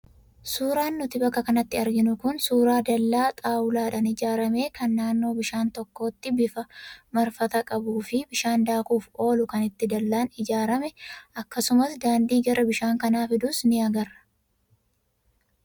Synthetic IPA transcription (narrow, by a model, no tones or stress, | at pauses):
suːɾaːnːʊt̪ɪbɐkːɐkɐnɐt̪ːɪɐɾɡɪnʊkʊnsuːɾaːd̪ɐlːaːt̪ʼaːwʊlaːᶑɐnɪd͡ʒaːɾɐme̞ːkɐnːaːnːo̞ːbɪʃaːnt̪ɔkːo̞ːt̪ːɪbɪfɐmɐɾfɐt̪ɐkʼɐbuːfɪbɪʃaːnd̪aːkuːfo̞ːlʊkɐnɪt̪ːɪd̪ɐlːaːnɪd͡ʒaːɾɐmɛʔɐkːɐsʊmɐsd̪aːnd̪iːɡɐɾʔɐbɪʃaːŋkɐnaːfɪd̪ʊsnɪɐɡɐɾɐ